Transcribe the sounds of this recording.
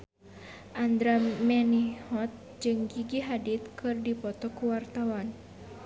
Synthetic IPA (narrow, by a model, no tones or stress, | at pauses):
ʔand̪ɾamɛnihɔt̪̚ | d͡ʒɨŋɡiɡiɦadit̪̚kʰɨrdipɔt̪ɔkuwart̪awan